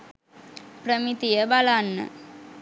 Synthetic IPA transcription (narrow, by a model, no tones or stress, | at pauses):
pɾəmit̪ijəbalanːə̰